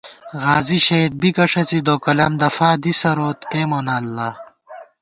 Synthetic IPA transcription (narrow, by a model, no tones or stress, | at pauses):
ɣaːziɕɐid̪̚bikɐʂɐt͡sid̪oːkɐlɐmd̪ɐfaːd̪isɐɾoːt̪eːmoːnaːlːa